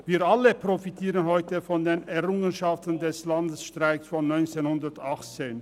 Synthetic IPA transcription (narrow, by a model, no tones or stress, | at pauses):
viːɐʔaləpʁ̥ofitʰiːʁənhɔʏtəfɔndeːnɛɐʁʊŋənʃaftən̩dɛslandəsʃtʁ̥aɪksfɔnːɔʏnt͡seːnhʊndɐtaχt͡seːn